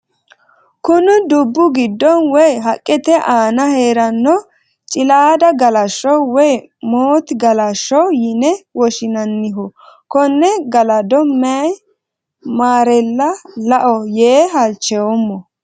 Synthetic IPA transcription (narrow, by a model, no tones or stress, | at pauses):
kʊnʊd̪ʊbːʊɡɪd̪ːɔnwɔjɦɐkʼːɛt̪ɛʔaːnɐheːɾɐnːɔ | t͡ʃʼɪlaːd̪ɐɡɐlɐʃːɔwɔj | moːt̪ɡɐlɐʃːɔwjɪnɛwɔʃɪnɐnːɪɦɔkɔnːɛɡɐlɐd̪ɔmːɛɐj | maːɾɛlːɐlɐʔɔjeːɦɐlt͡ʃːɛwɔmːɔ